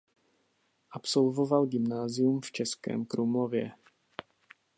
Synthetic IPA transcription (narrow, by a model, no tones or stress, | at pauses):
ʔapso̞lvovalɡɪmnaːzɪjumft͡ʃɛskɛ̰ːmkɾumovjɛ̰